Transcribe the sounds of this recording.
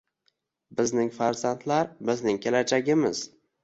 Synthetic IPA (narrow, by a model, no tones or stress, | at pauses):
bɪznɪŋfaɾzant̪ʰlaɾbɪznɪŋkʲʰelad͡ʒaɡʲɪmɪz̥